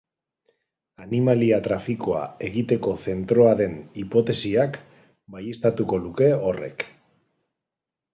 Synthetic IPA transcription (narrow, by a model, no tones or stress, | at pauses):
animaliat̪ɾafiko̞a̰e̞ɣit̪e̞ko̞θe̞nt̪ɾo̞aðe̞nipo̞t̪e̞siak | bajest̪at̪uko̞luke̞o̞re̞̰k